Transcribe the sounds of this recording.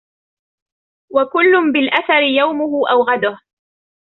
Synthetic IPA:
wakʊlːʊmbɪlʔaθaɾɪjawmʊhʊʔawɣad̪ʊh

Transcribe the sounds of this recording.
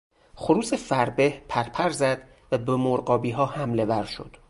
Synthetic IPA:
xoɾuːsefæɾbehpʰæɾpʰæɾzæd̪ | væbemoɾɢɒːbiːɦɒːhæmle̞væɾʃo̞̰d̪̥

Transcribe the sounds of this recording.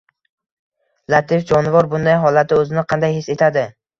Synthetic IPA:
lat̪ʰɪfd͡ʒɒnɪvɒɾbʊnd̪ajɦɒlˠat̪̚ʰɪɵzɪnɪqʰɑnd̪ajhɪsːe̞t̪ʰad̪ɪ

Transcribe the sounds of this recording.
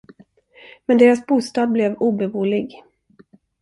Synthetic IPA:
mɛnd̪eːɾasbuːst̪ɑːd̪̚blɛvuːbɛvuːlɪɡ

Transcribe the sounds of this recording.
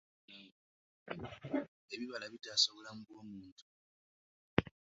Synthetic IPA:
eβiβalaβidasoβolamuɡoːmuːntʰu̥

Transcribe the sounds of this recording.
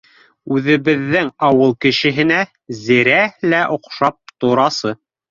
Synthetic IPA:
ʉðɘ̆βɘ̆ðːɘŋɑwɤlˠkɘ̆ʃɘ̆ɦɘ̆næ | zĭɾælæʔŏqʃɑp̚t̪ŏɾɑsɤ

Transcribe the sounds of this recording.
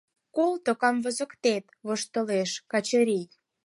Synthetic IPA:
kolt̪okɑmvəzə̆kt̪et̪βoʃt̪ə̆leʃkɑt͡ɕəɾij

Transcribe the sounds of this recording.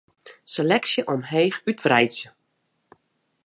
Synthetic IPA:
selɛksjəʔɔmɦeːxytvrɛjsjə

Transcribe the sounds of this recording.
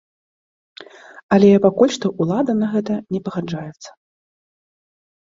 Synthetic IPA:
ɐlʲɛpakulʲʂt̪ɔʔulˠad̪ɐnɐɣɛt̪ɐnʲɛpɐɣad͡ʐajɛt̪sːɐ̥

